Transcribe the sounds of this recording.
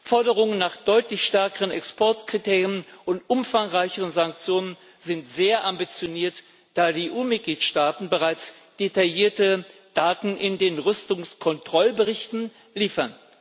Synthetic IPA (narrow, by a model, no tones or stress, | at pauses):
fɔɐdəʁ̞ʊŋənːaːχd̥ɔʏtlɪçʃtɛɐkəʁənɛkspɔɐtkʁ̥itʰeːʁiənʊntʔʊmfaŋʁaɪçəʁənzaŋk̚t͡sjoːnən | zɪntz̥eːɐʔambit͡sjoniːɐt | d̥aːdiʔuːmɪt̚ɡ̥liːtʃtaːtn̩bəʁaɪt͡s | d̥etajiːɐtəd̥aːtn̩ʔɪndeːnʁʏstʊŋskʰɔntʁ̥ɔlbəʁɪçtn̩ | liːfɐn